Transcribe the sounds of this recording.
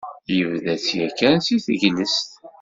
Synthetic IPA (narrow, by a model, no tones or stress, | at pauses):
jəvðæt͡sːjækːænsiθəʝləst̪